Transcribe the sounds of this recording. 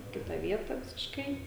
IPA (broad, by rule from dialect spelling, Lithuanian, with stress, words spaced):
ɪ ˈkʲɪtɐ ˈʋʲiɛtɐ ʋʲɪsʲɪʃˈkɐɪ